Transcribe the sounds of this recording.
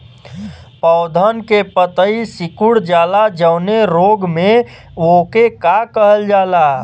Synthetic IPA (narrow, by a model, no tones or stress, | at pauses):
pəʊd̪ʱənkepət̪əisɪkuɽd͡ʒaːlad͡ʒəʊneɾoːɡmẽ | ʋokekakəɦəld͡ʒaːlaː